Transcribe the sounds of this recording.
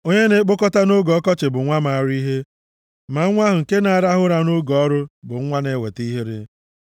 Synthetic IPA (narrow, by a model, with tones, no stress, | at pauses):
o˦ɲe˦ne˦k͡po˦kɔ˦ta˦no˦ɡɔ˨˦kɔ˦t͡ʃɪ˨bʊ˨˦ŋʷa˦ma˨ɾi˦ɦe˦ | ma˨˦ŋʷa˦ɦʊ˨ŋ̩˨ke˦na˨a˨ɾa˦ɦʊ˦ɾa˨no˦ɡɔ˦ɾʊ˦bʊ˨ŋ̩˦ŋʷa˦ne˦we˨ti˦ɦe˦ɾḛ˦